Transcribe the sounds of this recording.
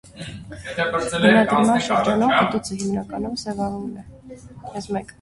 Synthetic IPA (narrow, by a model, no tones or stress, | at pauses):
ənad̪ɾmanʃəɾd͡ʒɑnɔχət̪ʼut͡sʰəɦimnɑkʼɑnɔmsɛvɑvulɛ | ɛsmɛkʼ